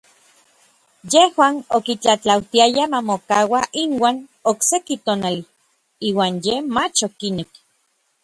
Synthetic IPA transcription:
jehwaːnokit͡ɬat͡ɬawt̪iajamamokawaʔinwaːnoksekit̪oːnali | iːwaːnjemat͡ʃokinek

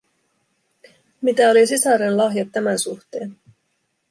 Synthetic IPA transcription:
mit̪æo̞lisisɑɾenlɑɦjɑt̪ːæmænsuxt̪eːn

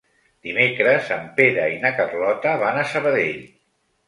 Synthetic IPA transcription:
d̪̥imekɾəzəmpeɾəinəkərlɔt̪əβanəsəβəðeʎ

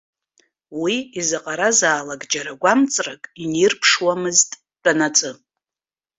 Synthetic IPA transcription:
wiizɨqʼaɾazaːlaɡd͡ʒaɾaɡʷamt͡sʼrakʼinirpʰʂwamɨztʼ | d̥anat͡sʼɨ

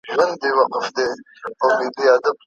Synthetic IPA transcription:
ʒwɐnd̪̚bewaqəfd̪e | awnid̪iad̪ab̚

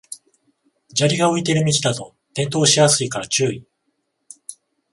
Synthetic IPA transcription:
d͡ʑaɾʲiɡao̞it̪e̞ɾɯ̟mʲit͡ɕi̥d̪at̪o̞ | t̪ẽ̞nt̪oːɕijasɨikaɾat͡ɕɨːi

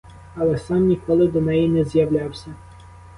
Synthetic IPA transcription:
ɐlˠɛsɑmnʲikɔlˠɪd̪ɔnɛjinɛzjɐwlʲɑwsʲɐ

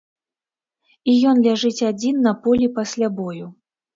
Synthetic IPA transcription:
ijɔnlʲaʐɨt͡sʲad͡zʲinːɐpɔlʲipasʲlʲabɔju

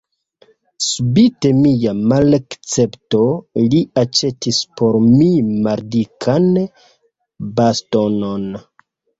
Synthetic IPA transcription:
subite̞mijamalakt͡se̞pto̞liat͡ʃe̞tispʰo̞ɾmimaɾdikʰan | bastono̞n

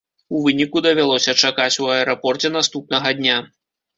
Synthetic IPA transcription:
uvɨnʲikud̪ɐvʲalˠɔsʲɐt͡ʂakat͡sʲuɐɛɾɔpɔrt͡sʲɛnast̪up̚nɐɣɐd̪ʲnʲa

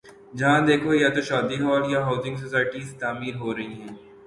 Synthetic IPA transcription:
d͡ʒɐɦãd̪eːkʰojat̪oʃɔːd̪iɦɔːljaɦaːʊzɪ̃ŋɡs̬osaːɪʈiːzt̪aːmiːɾɦoːɾɐɦiɦɛ̃ː

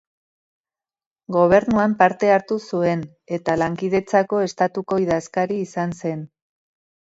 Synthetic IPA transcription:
ɡo̞β̞e̞ɾnuampaɾt̪e̞aɾt̪usue̞n | e̞t̪alaŋkiðe̞t͡sako̞e̞st̪at̪uko̞iðaskaɾiːsanse̞n

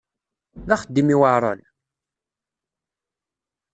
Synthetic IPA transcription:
ðæχəd̪ːimiwaʕɾˤɑ̰n

